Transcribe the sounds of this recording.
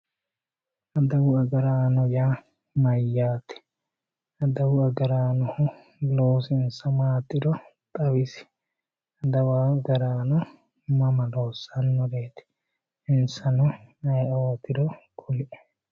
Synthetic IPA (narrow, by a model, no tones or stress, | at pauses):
ʔɐd̪ɐwʊɐɡɐɾaːnɔjaː | mɐjːaːt̪ɛ̥ | ɐd̪ɐwʊɐɡɐɾaːnɔhʊ | loːsɪnsɐmaːt̪ʼːɪd̪ɔt̪ʼɐwɪsɪ̥ | ɐd̪ɐwaːɡɐɾaːnɔ | mɐmɐlo̞ːsːɐnːɔd̪eːt̪ɛ̥ | ɪnsɐnɔnɐjoːt̪ɪd̪ɔkʰɔlɪʔɛ̥